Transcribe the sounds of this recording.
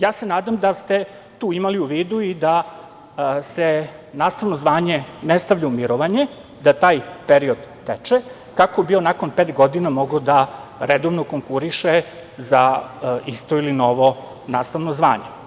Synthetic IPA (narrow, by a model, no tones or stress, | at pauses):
jaːse̞naːd̪amd̪ast̪e | t̪uːimaliuʋiːd̪uid̪a | senaːst̪aʋno̞zʋaːɲenest̪aʋʎaumiɾoʋaɲe | d̪at̪aːjpeɾio̞d̪ːet͡ʃe | kakobionako̞npeːt̪ɡo̞d̪inamo̞ɡod̪aɾed̪oʋnokoŋkuɾiʃe | zaist̪o̞ilino̞ʋo̞ | naːst̪aʋnozʋa̰ːɲe